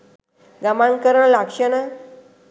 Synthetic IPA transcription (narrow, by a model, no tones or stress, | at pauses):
ɡamãŋkəɾəɳlakʂəna